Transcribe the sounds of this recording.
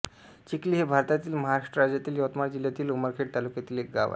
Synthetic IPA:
t͡ɕikliːɦebʱaɾt̪at̪iːlməɦaɾaʂʈəɾad͡ʑjat̪iːljɔwt̪maɾd͡ʑiljat̪iːluməɾkʰeʈ̚t̪alukjat̪iːlek̚ɡa̰ʋa̰

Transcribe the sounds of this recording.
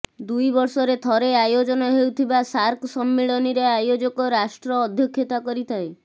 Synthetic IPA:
d̪ujbɔɾsɔɾet̪ʰɔɾeajod͡ʒɔnɔɦewt̪ʰibasaɾkʰsɔmːeɭɔniɾeajod͡ʒɔkɔɾasʈɾɔːd̪ʱjɔkʰːjot̪akɔɾit̪ʰae

